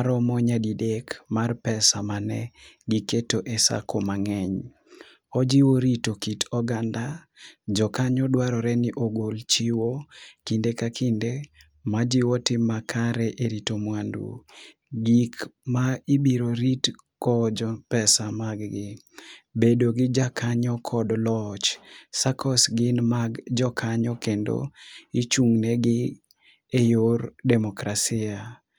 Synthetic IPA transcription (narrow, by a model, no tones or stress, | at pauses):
aɾɔmɔɲadidekmarpɛsamanɛɡiketoʔesa̰kʰomaŋɛɲ | ɔd͡ʒiwoɾitokitɔɡandad͡ʒɔkaɲɔdwaɾɔɾɛnɪʔoɡolt͡ʃiwokindekakʰinde | mad͡ʒiwɔtɪmakʰaɾɛʔeɾitomwandṵ | ɡikmaibiɾoɾit | kɔd͡ʒɔpɛsamaɡɡɪ | bedoɡɪd͡ʒakʰaɲɔkʰɔdlɔt͡ʃsakʰɔsɡɪnmaɡd͡ʒɔkʰaɲɔkendo̰it͡ʃuŋnɛɡɪ | ejordɛmɔkɾasɪa